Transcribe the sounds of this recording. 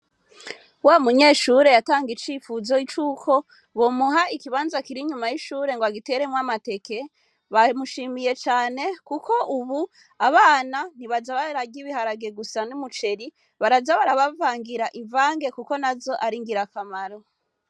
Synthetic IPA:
waːumuɲe̞ːʃuɾe̞jataːŋɡit͡ʃiːfuzo̞it͡ʃuːkʰo̞ | βo̞muɦaikiβaːnzakiɾiɲumajiʃuːɾe̞ŋɡoaɡite̞ɾe̞mwamate̞ke̞ | βamuʃiːmije̞t͡ʃaːne̞kuko̞ʔuβu | aβaːnan̥iβazaβaɾavɟiβihaɾaɡe̞ɡusanumut͡ʃe̞ɾi | βaɾazaβaɾaβavaːŋɡiɾaʔiɱvaːŋɡe̞kuko̞nazo̞ʔaɾiŋɡiɾakamaɾo̞

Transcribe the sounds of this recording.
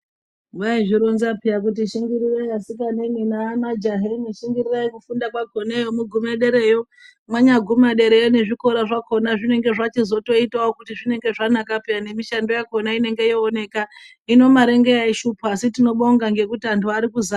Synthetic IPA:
ŋɡaiʐiɾonzapijak̬ut̬iʃiŋɡiɾiraiasik̬aneminamad͡ʒaɦeniʃiŋɡiriraikufundakwaɡʱo̞nejomuɡʱumeɗe̞ɾejo̞ | mwaɲaɡʱumaɗe̞ɾe̞jone̞ʐiko̞ɾaʐako̞naʐine̞ŋɡe̞ʐat͡ʃizo̞to̞itaokutiʐine̞ŋɡe̞ʐanakapijane̞miʃando̞jakonaine̞ŋɡe̞joːne̞ka | ino̞maɾe̞ŋɡeaiʃupasitino̞ɓoŋɡaŋɡe̞kutiantʰuaɾikuza

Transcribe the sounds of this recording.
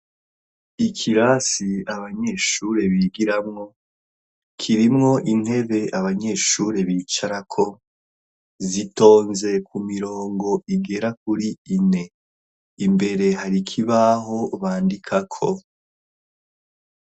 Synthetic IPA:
ikʰiɾaːsiaβaɲe̞ːʃuɾe̞βiːɡiɾamŋo̞ | kʰiɾimŋo̞ʔin̥he̞βe̞aβaɲe̞ʃuɾe̞βiːt͡ʃaɾakʰo̞ | zito̞ːnze̞kumiɾo̞ːŋɡo̞ʔiɡe̞ɾak̚uɾiine̞ | imbe̞ɾe̞ɦaɾikʰiβaɦo̞βaːndikʰakʰo̞̰

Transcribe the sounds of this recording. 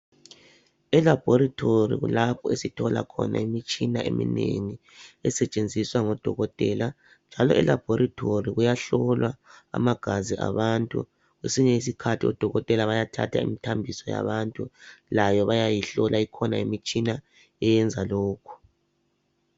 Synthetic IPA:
ɛlab̥ʱɔɾatʰorḭɣṵlapʰɔesitʰɔla̰kʰɔ̰na̰imit͡ʃʼinaʔemḭnḛŋi | ɛsɛt͡ʃʼend͡zʱiswaŋɔd̥ʱɔɣɔtʼɛla | nd͡ʒʱalɔʔɛlab̥ʱɔɾatʰoriɣujaɬɔlwaa̰maɡ̥ʱaziʔa̰βantʼṵ | ɣwesiɲɛis̬ikʰatʰiɔ̰d̥ʱɔɣɔtʼɛlaβajatʰa̰tʰa̰ḭmitʰambʱisɔja̰βantʼulajɔβajajiɬɔlʔaikʰɔnaimit͡ʃʼina | ɛjɛnd͡zʱalɔːkʰu̥

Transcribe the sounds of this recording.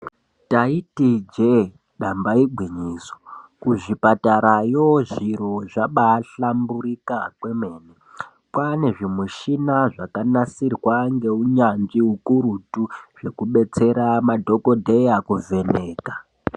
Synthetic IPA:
taitid͡ʒe | ɗambaiɡʱwiɲiːso̥kuʐipataɾajoʐiɾoʐaɓaːɬambuɾikakwe̞me̞ːne | pwane̞ʐimuʃinaʐakanasirwaŋɡe̞uɲand͡ʒiukuɾutuʐ̥e̞kuɓe̞t͡se̞ɾamadʱo̞ko̞dʱe̞jakuve̞neːka

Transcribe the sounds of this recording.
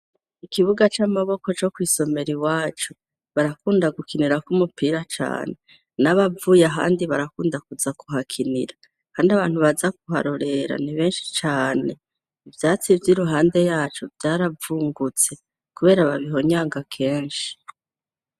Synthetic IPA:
ikiβuɡat͡ʃamaβo̞ko̞t͡ʃo̞kwiːso̞me̞ɾiwaːt͡ʃo | βaɾakuːndaɡukʰiniɾakumupʰiːɾat͡ʃa̰ːne̞ | naβavuːjaɦa̰ːndiβaɾakuːndakuzakuɦakʰinḭɾa | kaːndiaβaːn̥huβazakuɦa̰ɾoɾe̞ɾa̰niβe̞ːnʃi̥t͡ʃaːne̞ | ivjaːt͡sivjiɾuɦaːnde̞jaːt͡ʃovjaːɾavuːŋɡut͡se̞ | kuβe̞ːɾaβaβiɦo̞ɲaːŋɡakʰe̞ːnʃi̥

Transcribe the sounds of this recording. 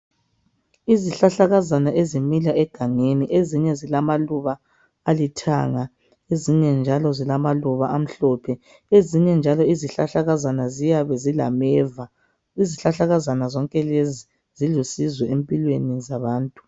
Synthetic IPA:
iziɬaɬaɣazanaʔezimilaʔɛɡ̥ʱaŋeniʔeziɲɛzilamaluβaː | litʰa̰ŋa | eziɲɛnd͡ʒʱalɔzilamaluβaam̩ɬɔːpʰɛ | eziɲɛnd͡ʒʱalɔiziɬaɬaɣazanazijaβɛzila̰mɛːva | iziɬaɬaɣazanazɔŋkʼɛlezi | zilusizwɛempʼilwenizaβaːntʼu̥

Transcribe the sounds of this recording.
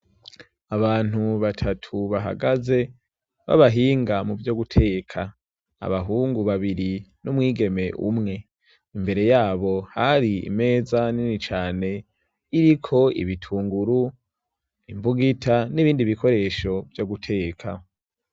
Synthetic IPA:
aβaːn̥huβatʰatʰuβaɦa̰ɡaze̞ | βa̰βaɦiːŋɡamuvjoɡutʰe̞ːkʰa | a̰βaɦuːŋɡuβaβiɾinumwiːɡe̞me̞ʔṵmŋe̞ | imbe̞ɾe̞jaːβo̞haɾiḭme̞ːzaninit͡ʃaːne̞ | iɾikʰo̞ḭβitʰuːŋɡuɾu | imbuɡitʰaniβiːndiβikʰo̞ɾe̞ʃo̞vjoɡutʰe̞ːkʰa

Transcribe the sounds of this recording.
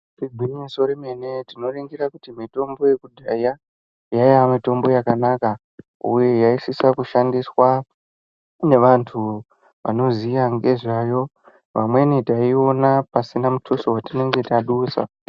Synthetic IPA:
tiɡʱinesoɾimenetino̞riŋɡirakutimito̞mbo̞je̞kudʱaja | jajamito̞mbo̞jakanaka | ṵje̞jaisisakuʃandiswa | ne̞ʋantʰu | ʋa̰no̞zijaŋɡe̞ʐaːjo̞ | ʋamwe̞nitaio̞napasinamutʰosowatine̞ŋɡe̞taɗuːsa̰

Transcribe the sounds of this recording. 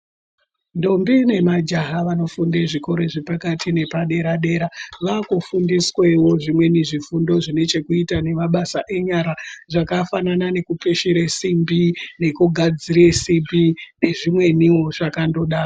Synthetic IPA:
ndombine̞mad͡ʒaɦaʋano̞fundeʐiko̞ɾe̞ʐepakatʰine̞paɗe̞ɾaɗe̞ːɾaʋakufundiswewo̞ʐimwe̞niʐifundo̞ʐine̞t͡ʃe̞kuitane̞maɓasaʔe̞ɲaɾaʐakafananane̞kupeʃeɾesimbine̞kuɡʱad͡ziɾesimbine̞ʐimwe̞niwo̞ʐakando̞ɗaːa

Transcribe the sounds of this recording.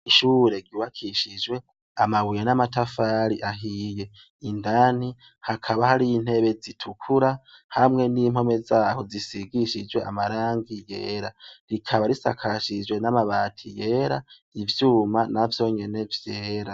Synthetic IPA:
iʃuːɾe̞ɡiwakʰiʃid͡ʒwe̞ | amaβujenamatafaːɾiʔaɦije̞ | indani | hakʰaβahaɾiin̥he̞βezitʰukʰuɾahamŋe̞nimho̞me̞zaːho̞zisiɡiʃid͡ʒwe̞ʔa̰maɾaːŋɡijḛːɾaɾikʰaβaɾisa̰kʰaʃid͡ʒwe̞namaβaːtʰije̞ːɾa | ivjuːmanavjo̞ɲe̞ne̞vjeːɾa

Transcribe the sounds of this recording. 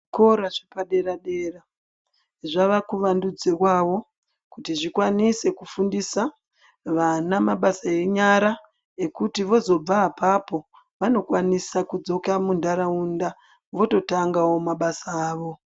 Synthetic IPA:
ko̞ɾaʐepaɗe̞ɾaɗe̞ːra | ʐaʋakuʋandud͡ze̞kwaʋo̞ | kutiʐikwanise̞kufundisa | ʋanamaɓasae̞ɲaɾa | e̞kutiʋo̞zo̞b͡vaːpapo̞ | ʋano̞kwanisakud͡zo̞kamundaɾaunda | ʋo̞to̞taŋɡawo̞maɓasaːʋo̞

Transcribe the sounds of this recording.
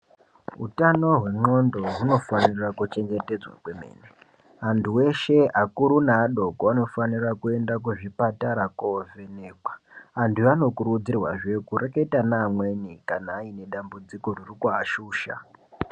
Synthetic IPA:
ɦṵtano̞ɦwe̞ŋ͡ǃo̞ndo̞runo̞fanirakut͡ʃe̞ŋɡe̞te̞d͡zwa̰kwe̞mḛːne | antʰuwe̞ʃe̞akuɾunaːɗo̞koano̞fanirakue̞ndakuʐipataɾakovene̞ːkwḁantuano̞kuɾud͡zirwa̰ʐe̞kureketanaːmwenikanaːine̞ɗambud͡ziko̞ririkuaʃuːʃa̰

